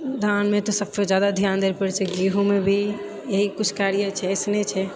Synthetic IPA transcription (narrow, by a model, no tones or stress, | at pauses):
d̪ʱanmet̪ɔsəbsed͡ʒjaːd̪ad̪ʱjaːnd̪eɾpəɾt͡ʃʰɛɡiɦũmebʱi | jeɦikʊt͡ʃʰkaːɾijət͡ʃʰɛsnet͡ʃʰɛ